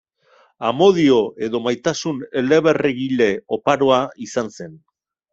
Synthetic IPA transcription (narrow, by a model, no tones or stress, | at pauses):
amo̞ðio̞ʔe̞ðo̞majt̪asune̞le̞βe̞reɣile̞o̞paɾo̞aisanse̞n